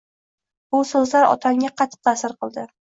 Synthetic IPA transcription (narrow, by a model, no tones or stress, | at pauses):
bʊsɵzlaɾɒ̰t̪ʰaŋʲaqʰɑt̪ʰɨ̥q̚t̪ʰasɪɾqɨlˠd̪ɪ